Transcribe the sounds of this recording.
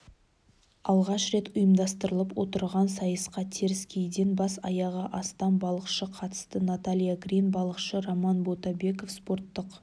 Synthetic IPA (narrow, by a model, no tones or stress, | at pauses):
ɑlˠʁɑʃɾe̞t̪ʊjəmd̪ɑst̪əɾəlˠəpwo̞̰t̪əɾʁɑnsɑjəsqɑt̪ʰe̞ɾɪskʲʰe̞jd̪enbɑsɑ̰jɑʁəʔɑst̪ɑnbɑlˠəqʃəqʰɑt̪ə̥st̪ənat̪alʲijaɡrinbɑlˠəqʃəɾomɑnbo̞t̪ɑbe̞ko̞fspo̞ɾt̪ːəq